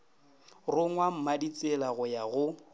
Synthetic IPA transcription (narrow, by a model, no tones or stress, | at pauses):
rʊŋwam̩madit͡sʼɪlaɣʊjaɣʊ